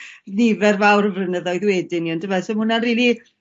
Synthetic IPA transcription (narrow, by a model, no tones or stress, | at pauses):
ðɪvɛrvawrəvrənəðɔjðwɛdɪniɔndəmasɔmʊnanriːlˠi